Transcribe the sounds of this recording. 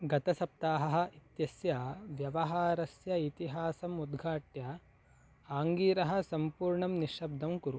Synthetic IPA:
ɡɐt̪ɐsɐp̚t̪aːɦɐɦɐ̆it̪jɐsjɐʋjɐʋɐɦaːɾɐsjɐit̪iɦaːsɐmud̪ɡʱaːʈjɐ | aːŋɡiːɾɐɦɐ̆sɐmpuːɾɳɐmniʃɐb̚d̪ʱɐmkuɾu

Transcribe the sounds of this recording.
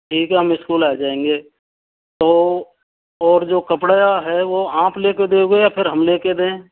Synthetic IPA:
ʈʰiːkɦɛɦɐmɪskuːlaːd͡ʒaːẽːŋɡeː | t̪oː | ɔːɾd͡ʒoːkəpɽəjaɦɛʋoãːpleːked̪eːɡoejapʰɪɾɦɐmleːked̪ẽː

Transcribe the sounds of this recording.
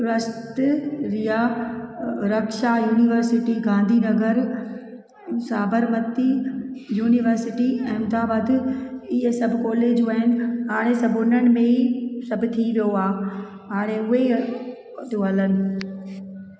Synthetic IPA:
ɾɐst̪ɾija | ɾɐkʃajuːniʋəɾsɪʈiɡãːnd̪ʱinɐɡʱəɾ | saːbəɾmət̪ijuːniʋəɾsɪʈiɛ̃ːmd̪aːbad̪ɪɪɦəsɐbʱɪkɔːleːd͡ʑuaːɦɪnɪ̆ɦaːɽ̃esɐbʱʊnəñɪ̆mẽisɐbʱʊ̆t̪ʰiʋijoaː | ɦaːɽ̃eʊɦe | t̪oɦɐlənɪ̆

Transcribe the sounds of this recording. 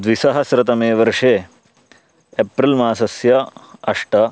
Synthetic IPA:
d̪ʋisɐɦɐsɾɐt̪ɐmeːʋɐɾʂeː | pɾilmaːsɐsjɐɐʂʈɐ

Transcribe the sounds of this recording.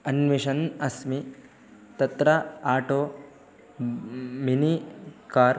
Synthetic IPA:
ɐnʋiʃɐnɐsmi | t̪ɐt̪ɾɐaːʈoː | minikaːɾ

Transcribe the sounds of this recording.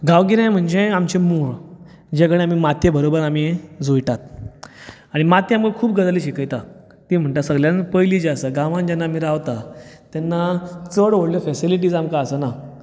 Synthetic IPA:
ɡaʋɡiɾẽm̤əɳd͡ʑeamt͡ɕemuɭ | d͡ʑekəɽ̃iam̤iːmat̪jebʱəɾobəɾamid͡zʱojʈat̪̚ | aɽ̃imat̪ːjamkakʰuːp̚ɡəd͡zliɕikəjt̪a | t̪im̤əɳʈ̪asəɡljãnpəjlid͡ʑeəsəɡãʋãnd͡ʑɛnːaːm̤iɾaʋt̪at̪jɛnːat͡səɽʋoɽljɔfɛsiliʈ̬iːd͡zamkaəsəna

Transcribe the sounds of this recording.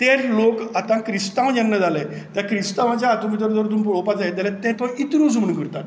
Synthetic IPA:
t̪eɾlokat̪ãkɾist̪ãwjanːad͡zalɛ | t̪jakɾist̪aʋat͡ɕjaːt̪umit̪əɾd̪əɾt̪uːnp̬ɭɔpad͡zajet̪alɛt̪ɛ̃t̪õit̪ɾũd͡zuɳkəɾt̪at̪

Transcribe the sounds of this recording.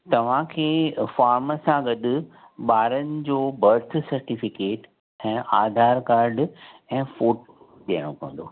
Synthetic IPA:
t̪ɐʋ̤ãkʰeːfaːɾməsãɡɐɗʊ̆ | ɓaːɾənɪ̆d͡ʑoːbɐɾt̪ʰsɐɾʈifɪkeːʈ | ɛ̃ːʔaːd̪ʱaːɾkaːɾɖɛ̃ːfoːʈ | ɗɐːəɽ̃okɐ̃ə̃n̆d̪oː

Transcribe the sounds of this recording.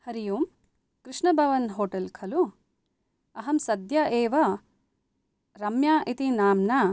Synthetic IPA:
hɐɾijuːm | kɾiʂɳɐbʱɐʋɐnɦoːʈɐlkʰɐlu | ɐɦɐmsɐd̪ʱjɐʔeːʋɐ | ɾɐmjaːʔit̪inaːmna

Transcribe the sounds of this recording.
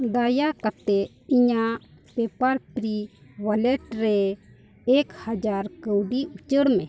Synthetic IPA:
d̪ajakat̪ɛ | iɲaʔ | pɛpaɾpɾiwalɛʈɾɛ | ɛkhad͡ʒaɾkəwɖiut͡ʃəɽmɛ̃

